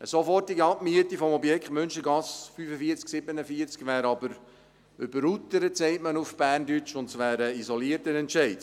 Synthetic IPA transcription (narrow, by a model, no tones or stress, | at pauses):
əsɔfɔtːiɡəɑp̚myətifɔmɔbjɛkχtmɵnʃəɡɑsfyfəfiəɾt͡sksɪbənəfiəɾt͡skʋæːɾɑbəɾ | ʏbəɾut̪əɾətsɛɪtmənufb̥æːrndyt͡ʃʊntsʋæːɾəisɔliəɾtənɛntʃɛɪt